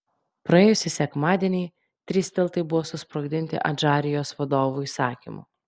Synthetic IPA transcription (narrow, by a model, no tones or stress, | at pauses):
pɾɐeːjʊsʲɪsʲɛkmɑːd̪ʲiɛnʲɛɪ | t̪ʲɾʲisʲt̪ʲɛlˠt̪ɐɪbʊʋoːsʊspɾoɡʲd̪ʲɪnʲt̪ʲɪ̰ʔɐd͡ʒɑːɾʲɪjoːsʋɐd̪oːʋuːiːsɑːkʲḭmṵ